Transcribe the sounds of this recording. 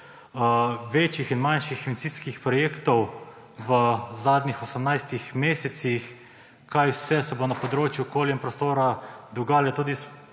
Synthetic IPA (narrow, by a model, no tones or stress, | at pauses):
ʋet͡ʃjixinmanʃiximisiːskixpɾɔjeːkt̪ɔw | ʋəzaːd̪nʲixɔsəmnajst̪ixmeːsɛt̪six | kajwsɛsɛbonapɔd̪ɾoːt͡ʃjuɔkoːljɛmpɾɔst̪oːɾad̪uɡaːljɛt̪uːd̪is